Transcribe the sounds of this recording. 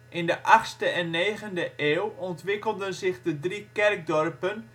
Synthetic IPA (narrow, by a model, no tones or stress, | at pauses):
ʔɪndəʔaχstəʔɛnːeːɣəndəʔeːwɔntʋɪkəlˠdənzɪχdədrikɛrk̚dɔrpən